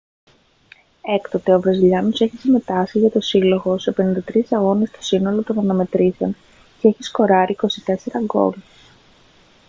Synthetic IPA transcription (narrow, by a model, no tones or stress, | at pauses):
e̞kt̪ot̪e̞ovɾɐziʎɐnoseçisime̞t̪ɐsiʝɐt̪o̞silo̞ɣo̞se̞pe̞nind̪ɐt̪ɾisɐɣo̞nest̪o̞̥sino̞lo̞t̪o̞nɐnɐme̞t̪ɾisen | cee̞çisko̞ɾɐɾiːko̞sit̪e̞se̞ɾɐɡo̞̰l